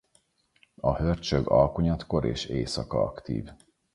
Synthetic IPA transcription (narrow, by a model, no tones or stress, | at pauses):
ɒhørt͡ʃøɡɒlkuɲɒt̪ko̞ɾḛːʃeːsɒkɒɒkt̪ḭːv